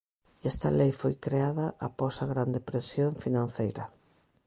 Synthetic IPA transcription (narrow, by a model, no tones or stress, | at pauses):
ɛst̪ɐ̰lejfojkɾeaðɐʔapɔsɐɣɾand̪epɾesjoɱfinãnθejɾɐ